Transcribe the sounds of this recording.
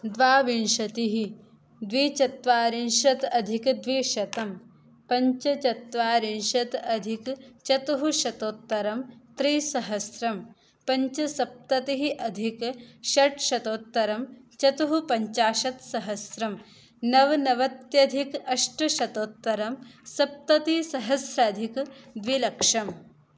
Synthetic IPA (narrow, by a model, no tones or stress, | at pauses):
d̪ʋaːʋinʃɐt̪iɦi | d̪ʋiːt͡ʃɐt̪ʋaːɾinʃɐt̪ɐd̪ʱikd̪ʋiːʃɐt̪ɐm | pɐɲt͡ʃɐt͡ʃɐt̪ʋaːɾinʃɐt̪ɐd̪ʱikt͡ʃɐt̪uɦuʃɐt̪oːt̪ːɐɾɐmt̪ɾiːsɐɦɐsɾɐm | pɐɲt͡ʃɐsɐp̚t̪ɐt̪iɦiʔɐd̪ʱikʃɐʈʃɐt̪oːt̪ːɐɾɐmt͡ʃɐt̪uɦupɐɲt͡ʃaːʃɐt̪sɐɦɐsɾɐm | nɐʋnɐʋɐt̪jɐd̪ʱikɐʂʈɐʃɐt̪oːt̪ːɐɾɐmsɐp̚t̪ɐt̪isɐɦɐsɾɐɐd̪ʱikd̪ʋilɐkʂɐm